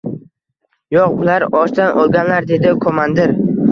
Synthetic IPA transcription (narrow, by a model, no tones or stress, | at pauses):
joqʊlaɾɒʃd̪anʔɒlˠɡʲanlaɾd̪e̞d̪ɪkʰomand̪ɪɾ